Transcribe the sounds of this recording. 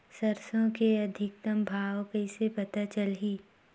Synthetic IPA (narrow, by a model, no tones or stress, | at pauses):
sɐɾsõkeɐd̪ʱɪk̚t̪ɐmbʱaːwkəɪsepɐt̪at͡ʃəlɦiː